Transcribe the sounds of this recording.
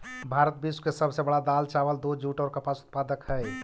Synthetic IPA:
bʱaɾət̪̚biskesəbsebəɽad̪alt͡ʃaːʋəld̪ud͡ʒuːʈɔːɾkəpasʊ̥t̪̚paːd̪əkɦɛɛ

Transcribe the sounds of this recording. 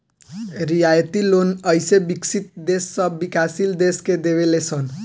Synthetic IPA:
ɾijajt̪ilonʌjsebiksʰit̪̚d̪esːʌbbikasild̪esked̪eβelesʰʌn

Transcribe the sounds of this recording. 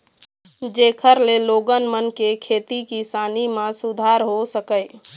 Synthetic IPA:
d͡ʒekʰəɾleloɡənmənkekʰet̪ikisanimãsud̪ʱaɾɦosəkəɪ

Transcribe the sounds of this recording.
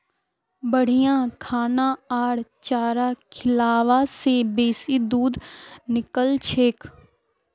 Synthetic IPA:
bəɽ̤ijãkʰaːnãaːɽt͡ʃaːɾakʰɪlaːʋasebeːsid̪uːd̪nɪkəlt͡ʃʰeːk

